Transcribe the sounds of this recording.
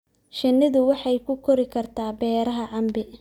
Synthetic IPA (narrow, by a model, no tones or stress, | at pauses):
ʃɐnːɪðʊwɑħɑjkʰʊkʰɔɾɪkʰɐrt̪ʰaːbɛːɾɐɦɐʕɑmbɪ